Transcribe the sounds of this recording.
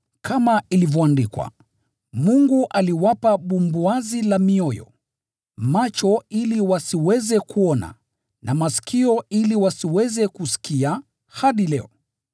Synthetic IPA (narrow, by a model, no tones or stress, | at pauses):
kʰamailivjɔandikwa̰ | muŋɡuʔaliwapaɓumbuazilamiɔjɔ̰ | mat͡ʃɔiliwasiwɛzɛkuɔna̰ | nʔamasi̥kʰiɔiliwasiwɛzɛkusi̥kia | haɗilɛɔ